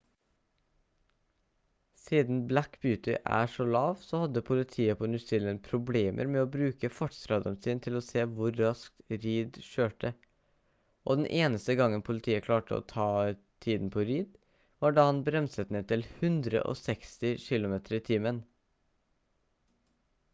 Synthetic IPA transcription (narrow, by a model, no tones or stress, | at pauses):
siːd̪n̩blækbjʉːt̪ɪ̰ʔæ̰ːʂɔlɑːʋsɔhɑd̪əpʰʊlɪt̪ʰiːəpʰonʉsɪlənpʰɾʊbleːmʔə̰ɾmɛːoːbɾʉːkəfɔʈst̪ɾɑːd̪ənsiːnt̪ʰɪloːseːʋʊɾːɑsk̚t̪ɾiːd̪ʃøːʈə | ʔo̰ːd̪nʔeːnəst̪əɡɑŋənpʰʊlɪt̪ʰiːəkʰlɑːʈəo̰ːt̪ʰɑː | t̪ʰiːd̪n̩pʰoːɾiːd̪ | ʋɑːɖɑːhɑnbɾɛmsət̪neːt̪ʰɪlhʉnd̪ɾə̰ʔo̰ːsɛkst̪ɪʃɪlʊmeːt̪ʰəɾiːt̪ʰiːmən